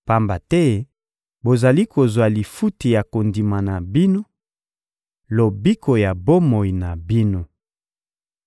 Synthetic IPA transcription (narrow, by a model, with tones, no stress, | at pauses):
pa˦mba˨tɛ˦ | bo˨za˨li˦ko˨zwa˨li˨fu˦ti˨ja˨ko˨ndi˨ma˨na˨bi˦no˦ | lo˨bi˦kʰo˨ja˨bo˦mo˨i˨na˨bi˦no˦